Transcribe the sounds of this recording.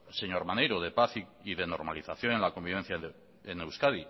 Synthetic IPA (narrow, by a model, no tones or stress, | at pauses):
se̞ɲoɾmanejɾoð̞e̞paθiiðeno̞ɾmaliθaθjo̞nenlako̞mbiβe̞n̟θja | ene̞wskaði